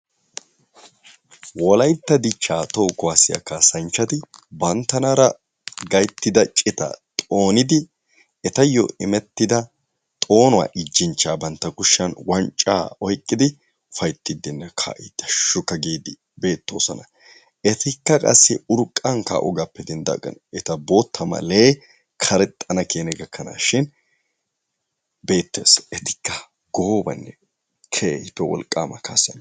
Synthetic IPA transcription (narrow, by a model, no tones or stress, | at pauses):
wɔlɐjt̪ːɐd̪ɪt͡ʃːaːt̪oːkʊwasɪjɐ̰kaːsɐnt͡ʃːɐt̪ɪbɐnt̪ːɐnɐɾɐ | ɡɐjt̪ːɪd̪ɐt͡ʃʼɪt̪ɐ̰t̪ʼo̞ːnɪd̪ɪ | ɛt̪ɐjɔ̰ɪmɛt̪ːɪd̪ɐ | t̪ʼo̞ːnʊwa̰ːʔɪd͡ʒːɪnt͡ʃːaːbɐnt̪ːɐkʊʃːɐnwɐnt͡ʃʼːa̰ːɔjkʼːɪd̪ɪ | ʊfɐjt̪ːɪd̪ːɪnːɛkʰa̰ːʔɪd̪̥ːɐʃʊkːɐɡiːd̪ɪ | be̞ːt̪ːo̞̰ːsɔnɐ | ɛt̪ɪkːɐkʼɐ̰sːɪʊɾkʼːɐŋka̰ːʔɔ̰ɡapːɛd̪ɛnd̪ɐ̰kʼːɐ̰nɛt̪ɐbo̞ːt̪ʰːɐmɐ̰leː | kʰɐɾɛt̪ʼːɐnɐkeːnɛɡɐkʰːɐna̰ːʃɪn | be̞ːt̪ːḛːsɛt̪ɪ̥kːɐ | ɡoːbɐ̰nːɛ | kʰeɪpːɛwɔ̰lkʼːaːmɐka̰ːsɐn